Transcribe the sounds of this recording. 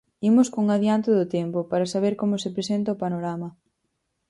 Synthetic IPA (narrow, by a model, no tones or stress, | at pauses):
imʊskoŋaðjant̪ɪðʊt̪ɛmpʊpaɾasaβ̞eɾkomʊsɪpɾesent̪ɐʊpanoɾamɐ